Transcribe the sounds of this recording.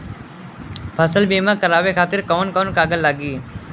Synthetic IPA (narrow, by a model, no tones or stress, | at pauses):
pʰəsəlbeːmãːkəɾaːʋekʰaːt̪ɪɾkoːənkoːnkaːɡəlːaːɡiː